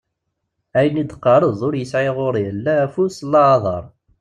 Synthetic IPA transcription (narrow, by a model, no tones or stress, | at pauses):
æjənid̪qːɑɾˤəðˤʊɾjəsʕɪʁʊɾˤjəlːææfuslːɑʕðˤɑ̰ɾˤ